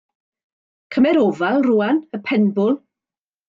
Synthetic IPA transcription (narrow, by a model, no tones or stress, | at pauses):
kʰəmɛɾovalˠruanəpʰɛnbʊlˠ